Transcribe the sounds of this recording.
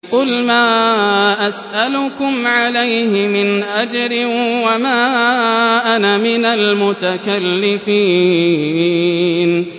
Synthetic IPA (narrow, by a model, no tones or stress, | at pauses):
qʊlmaːʔasʔalʊkʊmʕalajhɪmɪnʔad͡ʒɾɪwamaː | ʔanamɪnalmʊt̪akalːɪfiː | n